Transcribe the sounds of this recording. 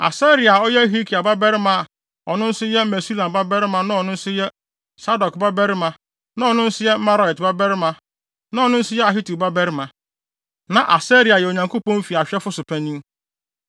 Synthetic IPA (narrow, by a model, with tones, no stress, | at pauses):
a̰˨sɛ˦ɾi˨a˨ɔ˦jɛ˦ɦi˦kʰi˨a˨ba˦bɛ˦ɾɪ˦mã˦a˨ | ɔ˨nʊ̃˦n̩˦sʊ˦jɛ˦mɛ˨si˦lã˨ba˦bɛ˦ɾɪ˦mã˨nã˦ɔ˨nʊ̃˦n̩˦sʊ˦jɛ˦ | sa˦dɔ˨kba˦bɛ˦ɾɪ˦mã˨ | nã˦ɔ˨nʊ̃˦n̩˦sʊ˦jɛ˦ma˦ɾa˨ɛ˨tba˦bɛ˦ɾɪ˦mã˨ | nã˦ɔ˨nʊ̃˦n̩˦sʊ˦jɛ˦a˨ɦi˦tu˨ba˦bɛ˦ɾmã˨ | nã˨ʔa˨sɛ˦ɾi˨a˨jɛ˨o˨ɲã˨ŋko˦pɔ̃˦m˦fi˨a˨ɕᶣɛ˦fʊ˦sʊ˨pʰæ˦nĩ˦m